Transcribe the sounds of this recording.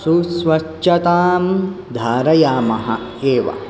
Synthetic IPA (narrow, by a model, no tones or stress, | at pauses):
susʋɐt͡ʃːɐt̪aːm | d̪ʱaːɾɐjaːmɐɦɐ | eːʋɐ̰